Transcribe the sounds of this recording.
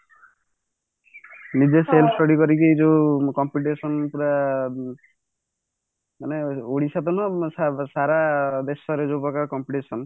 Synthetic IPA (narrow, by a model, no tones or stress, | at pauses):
nid͡ʒeselsʈɔɽikɔɾikid͡ʒokɔmpiʈ̬esɔnpuɾa | maneoɽisat̪ɔnɔsasaɾad̪esɔɾed͡ʒopɔkakɔmpiʈesɔn